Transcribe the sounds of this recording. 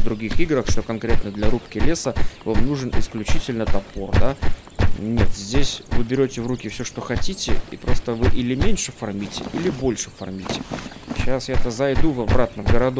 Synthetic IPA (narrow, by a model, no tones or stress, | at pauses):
d̪ɾʊɡʲixiɡɾəxʂt̪o̞kɐnkɾʲe̞t̪nəd̪lʲɐɾupkʲɪlʲe̞səvamnuʐɨnɪ̰sklʲʉt͡ɕitʲɪlʲnət̪ɐpord̪a | nʲe̞t̪zʲdʲesʲvɨbʲɪɾʲotʲɪvrukʲɪfsʲoʂt̪oxɐtʲitʲɪ̰ḭpɾo̞st̪əvɨʔɪlʲɪmʲenʲʂɨfɐrmʲitʲɪ̰ilʲɪbo̞lʲʂɨ̥fɐ̰rmʲitʲɪ | ɕasjat̪əzɐjd̪uvɐbɾat̪nəvɡəɾɐd̪o